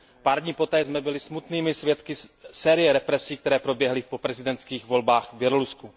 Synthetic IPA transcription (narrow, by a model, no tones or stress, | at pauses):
paːɾdɲiːpo̞t̪ɛːzmɛbɪlɪsmut̪niːmɪsjɛt̪kɪsɛːɾɪjɛɾɛpɾɛsiːk̚t̪ɛɾɛːpɾo̞bjɛɦlɪfpo̞pɾɛzɪdɛnt̪skiːxvo̞lbaːxvbjɛlolusku